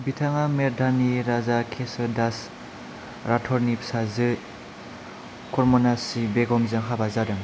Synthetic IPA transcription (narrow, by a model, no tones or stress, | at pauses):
bitʰaŋameɾdʱaniɾazakʰesɯdas | ɾatʰɔɾnipʰsazɯ | kɔɾmɔnasibeɡɔmzɯŋɦabazadɯŋ